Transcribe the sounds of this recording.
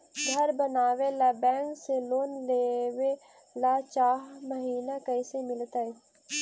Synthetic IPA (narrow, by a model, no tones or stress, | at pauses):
ɡʱəɾbənaːʋelaːbɛ̃ːŋkseloːnleːʋe | laːt͡ʃaːɦməɦiːnakəɪsemɪlt̪aɛː